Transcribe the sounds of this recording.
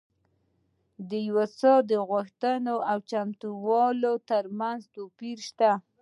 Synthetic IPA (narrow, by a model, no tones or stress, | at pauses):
d̪əjwasɑd̪əɣwaxt̪ənoʔawt͡ʃamt̪uwɑlot̪əɾmanzt̪opiɾʃt̪a